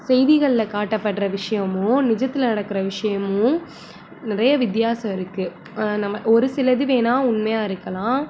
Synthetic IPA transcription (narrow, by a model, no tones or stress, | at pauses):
sɛjðɪɣɐɭɪlɐkaːʈːɐpːɐʈːɾɐʋɪʂɐjɐmʊ̃nɪd͡ʒɐt̪ːɪlɐnɐɽɐkːɯɾɐʋɪʂɐjɐmʊ̃ | nɪɾɐjɐʋɪt̪jaːsɐɪɾɯkːɯ | nɐmːɐʔɔɾɯsɪlɐðɯʋeːnaːʊnmɐjaːɪɾɯkːɐlãː